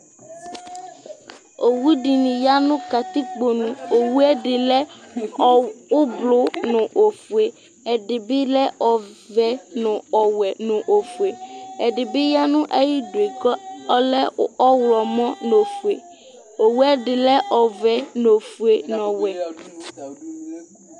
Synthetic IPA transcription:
o˨wu˦ɖi˨nĩ˨ja˦nʊ̃˦ka˨t̪i˦k͡po˨nũ˨o˨wu˦ɛ˦ɖɪ˨lɛ˦ | ʊ˦blʊ˦nʊ̃˨ʔo˨fu˨e˨ | ɛ˨ɖɪ˨bɪ˦lɛ˦ʔɔ˨vɛ˦nʊ̃˨ɔ˨wɛ˨nʊ̃˨ʔo˨fu˨e˨ɛ˨ɖɪ˨bɪ˦ja˦nʊ̃˦ʔe˦ji˦do˨e˨kɔ˦ɔ˦lɛ˦ɔ˦wlɔ˨mɔ̃˦no˨fu˨e˨ | o˨wu˦ɛ˦ɖɪ˨lɛ˦ʔɔ˨vɛ˦no˨fu˨e˨nɔ̃˨wɛ˨

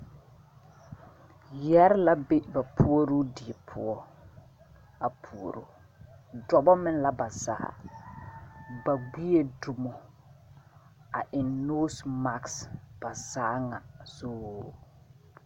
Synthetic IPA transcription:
jɛ˦ɾla˦be˦ba˨pʰu˦o˦ɾu˦di˨e˨pʰʊ̰˦ɔ˦ | a˨pʰu˨o̰˨ɾo̰ː˦ | dɔ˨bɔ˦mɪ˦n˦la˦ba˨za̰˨a̰˨ | ba˨ɡ͡bi˦e˦du˨mo˨ | a̰˨ʔɪ˨nnoː˦sma˨ksb̥a˨zaː˦ŋa̰˨zoː˦

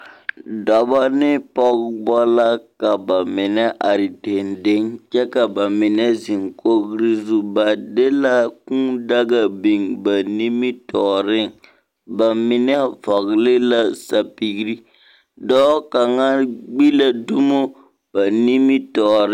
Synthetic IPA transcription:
dɔ˨ba˦nɪ˦pɔ˦ɡbɔ˦la˦ka˨ba˨mɪ˨nɛ˦ʔa˨ɾi˨te˨nde˦ŋt͡ʃɛ˦ka˨ba˨mɪ˨nɛ˦zi˨ŋko˦ɡɾɪ˦zu˦ba˨de˦la˦kũː˦da˦ɡa˨bi˨ŋba˨ni˦mi˦tɔː˨ɾɪ˦ŋ | ba˨mɪ˨nɛ˦fɔ˨ɡlɪ˦la˦sa˨pi˦ɡɾi˦ | dɔː˦ka˨ŋa˦ɡ͡bi˦la˦du˦mo˦ | b̥a˨ni˦mi˦tɔː˨ɾ

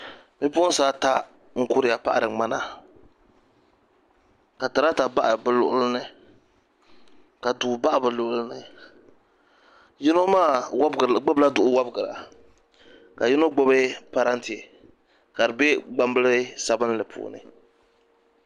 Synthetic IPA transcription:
mi˦pu˦ʊ˦n̩˦saː˦ta˦ | ŋ̩˦kʊ˦ɾɪ˨a˨pa˦ʔa˨ɾɨ˨ŋ͡ma˦na˦ | ka˨ta˨ɾa˦ta˨ba˦ʔa˨bɨ˨lʊ˨ʔʊ˦lɨ˦nɨ˦ | ka˨dʊ˨ba˦ʔa˨bɨ˨lʊ˨ʔʊ˦lɨ˦nɨ˦ | ji˦no˦maː˦˨wbɡ͡bɛ˦bla˦dʊ˨ʔʊ˨wa˦bɡɨ˨ɾa̰˨ | ka˨ji˦no˦ɡ͡bo˦bɛ˦pa˨ɾa˦nti˨e˨ | ka˨dɨ˨be˦ɡ͡ba˦m˦bɨ˦lɨ˦sa˨bɨ˦n˦lɨ˨pʰṵː˦nɨ̰˨

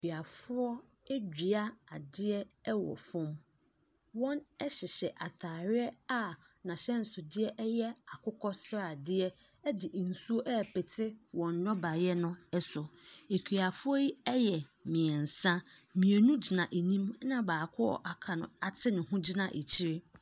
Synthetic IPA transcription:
e˨kʰi˨a˨fʊ˦ɔ˦ | ɛ˦d͡ʑᶣi˨a˦a˨dɪ˦ɛ˦wɔ̰˨fʊ̃˦m | wɔ̃˦nɛ˦ɕɪ˨ɕɛ˨ʔa˨tʰaː˨ɾɪ˦ɛ˦a˨nã˨ɕɛ˦n̩˨sʊ˨dɪ˦ɛ˦ʔɛ˦jɛ˦a˨kʰʊ˦kʰɔ˦sɾa˨dɪ˦ɛ˦ | ɛ˦dɪ˨n̩˨su˦o˦ʔɛ˦˨pʰɛ˨tʰɪ˦wɔ̃˨nːɔ̃˦ba˨jɛ˦nʊ̃˦ɛ˦sʊ˨e˨kʰᶣi˨a˨fʊ˦ɔ˦ji˦ɛ˦jɛ˨mɪ̃˨ɛ˨n̩˨sã˦ | mĩ˨e˨nũ˦d͡ʑi˨nã˨ʔe˨nĩ˦m˦nã˦baː˨kʰʊ˦ɔ̰˨ʔa˨kʰa˨nʊ̃˨a˨tʰɪ˦nʊ̃˨hũ˦d͡ʑi˦nã˨ʔḛ˨t͡ɕʰi˦ɾɪ˦

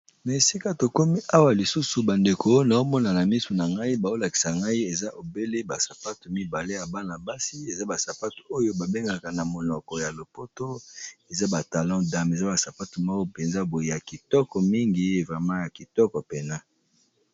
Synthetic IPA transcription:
na˨e˨si˦ka˦to˨ko˦mi˦ʔa˦wa˨li˨su˦su˨ba˨nde˨kʰo˦na˨o˦mɔ˦na˨na˨mi˦su˨na˨ŋɡa˦i˦ba˨o˦la˨ki̥˨sa˨ŋɡa˦i˦e˨za˦ʔo˨be˦le˦ba˨sa˨pa˦tu˨mi˦ba˨le˦ja˨ba˦na˨ba˦si˦e˨za˦ba˨sa˨pa˦tu̥˨o˦jo˦ba˨be˦ŋɡa˨ka˨na˨mo˨nɔ˨kɔ˨ja˨lo˨po˦to˦e˨za˦ba˨ta˨lɔ̃˦da˨me˨za˦ba˨sa˨pa˦tu˨ma˦o˦pe˨nza˦bo˨e˨ja˨ki˨tɔ˦kɔ˨mi˦ŋɡi˨˦e˨vʁa˨ma˦ja˨ki˨tɔ˦kɔ˨pe˨na˦

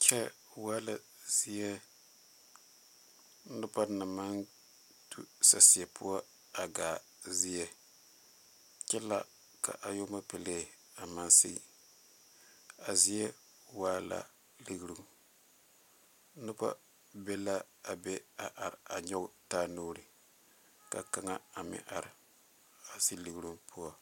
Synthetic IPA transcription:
kʰʲɛ˦ | waː˦la˨ | z̥i˦jɛ˦ | nʊ˦pa˦na˨ma˦n | tʰṵ˦sa˨si˨ɛ˨pʰʊ˦a˦ | a˨ɡaː˨ | zɪ˦jɛ˦ | kɛ˦la̰˦ | ka̰˨ʔa˨jo˦ma˦pe˨le˦˨ | a˨ma˦nsḭ˦˨ | a˨zi˦jɛ˦ | waː˦la̰˨ | lɨ˦ɡɾu˦ŋ | nʊ˦ba̰˦ | bɛ˦la˦ | a˨bɛ˦a˨ʔa˨ɾɪ˨a˨ɲɔ˦ɡʊ˦taː˦noː˦ɾɨ˨ | ka˨ka˦ŋa˦a˨mɪ̰˨˦ʔa˨ɾɪ˨ | a˨si˦lɨ˦ɡɨ˦ɾu˦ŋpʰu˦ɔ˦

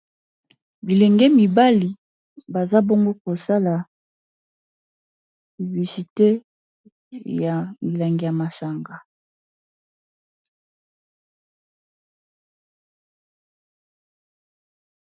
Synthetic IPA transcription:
bi˨lɛ˨ŋɡɛ˦mi˨ba˦li˨ | ba˨za˦bo˦ŋɡo˦ko˨sa˦la˨ | vi˨bi˨si˨te˦ | ja˨ŋi˨la˨ŋɡi˨ja˨ma˨sa˨ŋɡa˨

